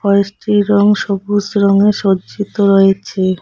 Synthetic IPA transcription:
fɔsʈiɾɔŋʃobusɾɔŋeʃod͡ʑit̪oɾɔet͡ɕʰe

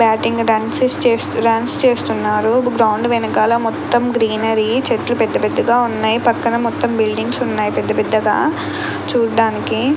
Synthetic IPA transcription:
bjaːʈiŋɡɖaːnsest͡ʃeːsɾaːnst͡ʃeːst̪unːaːɾuɡɾɐwɳɖʋɛnɐkaːlomɔt̪ːɐmɡɾiːnɐɾit͡ʃeʈlupɛd̪ːɐpɛd̪ːɐɡaːunːaːjipɐkːɐnɐmɔt̪ːɐmbilɖiŋɡsunːaːjipɛd̪ːɐpɛd̪ːɐɡa̰ː | t͡ʃuːɖaːniki

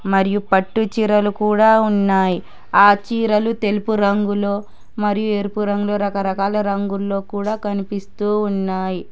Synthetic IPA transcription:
mɐɾijupɐʈːut͡ʃiːɾɐlukuːɽaːunːaːji | aːt͡ʃiːɾɐlut̪e̞lupuɾɐŋɡulo̞ː | mɐɾijue̞ːɾpuɾɐŋɡulo̞ːɾɐkɐɾɐkaːlɐɾɐŋɡulːo̞ːkuːɽaːkɐnipist̪uːunːaːji

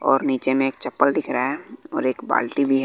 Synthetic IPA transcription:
ɔ̰ːɾniːt͡ʃemẽeːk̚t͡ʃɐpːəld̪ɪkʰɾaɦɛɔ̰ːɾeːkba̰ːlʈibʱiɦɛ

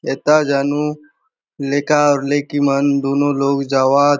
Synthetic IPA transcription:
eːt̪aːd͡ʒaːnu | leːkaːɔːɾleːkimənd̪oːnõːloːɡd͡ʒaːʋaː

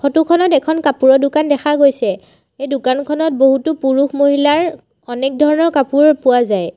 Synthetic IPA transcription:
xʰotukʰɔnɔtɛkʰɔnkapuɹɔdʊkandɛxʰaɡojsɛ | ejdʊkankʰɔnɔt̚boɦutupuɹuxmoɦilaɹ | ɔnɛk̚dʱɔɹɔnɔɹkapuɹpʊwazaj

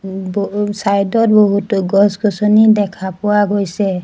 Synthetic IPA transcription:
bsajdɔt̚boɦutɡɔsɡɔsɔnidɛkʰapʊwaɡojsɛ

